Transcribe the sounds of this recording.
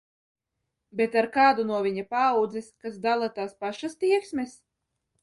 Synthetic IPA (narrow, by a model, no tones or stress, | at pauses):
bet̪aɾkaːd̪unuɔvʲiɲapawd̪ziskasd̪alˠat̪aːspaʃast̪iɛksmɛs